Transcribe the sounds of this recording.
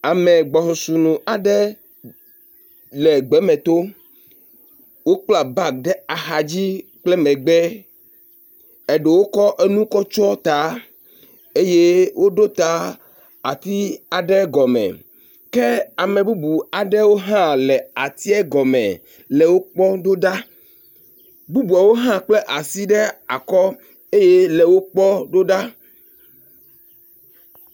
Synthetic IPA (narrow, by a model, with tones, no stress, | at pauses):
a˨mɛ̃˨ɡ͡bɔ˨xo˨su˨nũ˨a˨ɖɛ˦ | lɛ˨ɡ͡bɛ˨˦mɛ̃˨t̪o˦ | wo˦k͡pla˨ba˦˨ɖɛ˦a˨xa˨d͡ʑi˦k͡plɛ˦mɛ̃˨ɡ͡bɛ˦ | e˨ɖe˨wo˦kɔ˦ʔe˦nũ˦kɔ˦t͡ʃɔ˦t̪a˨˦ | e˦je˦wo˦ɖo˦t̪a˦ | a˨t̪i˦a˨ɖɛ˦ɡɔ˨mɛ̰̃˨ | kɛ˦a˨mẽ˨bu˦bu˨a˨ɖɛ˦wo˦ɦã˦lɛ˨a˨t̪i˦ɛ˦ɡɔ˨mɛ̰̃˨ | lɛ˨wo˦k͡pɔ˦ɖo˦ɖa˦ | bu˦bu˨a˨wo˦ɦã˦k͡ple˦ʔa˨si˦ɖɛ˦a˨kɔ˦ | e˦je˦le˨wo˦k͡pɔ˦ɖo˦ɖa˦